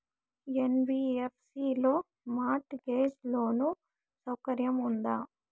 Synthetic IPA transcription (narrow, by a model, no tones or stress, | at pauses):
enbiːepʰsiːlo̞ː | maːʈɡeːd͡ʒlo̞ːnu | sɐwkɐɾjɐmund̪aː